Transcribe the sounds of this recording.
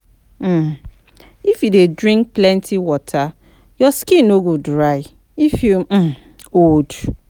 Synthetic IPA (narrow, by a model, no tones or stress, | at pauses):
m̩ | ifjudedɹĩŋk̚plɛ̃ntʰiwɔtʰa | jɔskĩnoɡodɹaɪ | ifju | od